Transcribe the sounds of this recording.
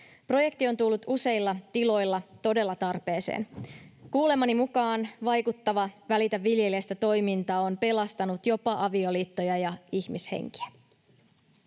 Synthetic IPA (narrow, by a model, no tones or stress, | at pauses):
pro̞je̞kt̪io̞nt̪ulːut̪use̞jlːɑt̪ilo̞jlːɑt̪o̞de̞lːɑt̪ɑrpe̞ːsḛːnkuːle̞mːɑnimukɑːnʋɑjkut̪ːɑʋɑʋælit̪æʋːilje̞liest̪æt̪o̞jmint̪ɑːo̞npe̞lɑst̪ɑnut̪jo̞pɑʔɑʋio̞liːt̪ːo̞jɑjɑiçmishḛŋki̥æ̥